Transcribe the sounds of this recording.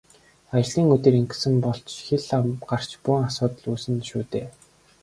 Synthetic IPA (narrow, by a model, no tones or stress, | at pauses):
ajɮiːŋɵt̪ĕɾiŋk̆sɘ̆mpɔɬt͡ɕxeɮamɢar̥t͡ɕpʊŋasʊːt̪ə̆ɮuːsɘ̆nʃuːt̪eː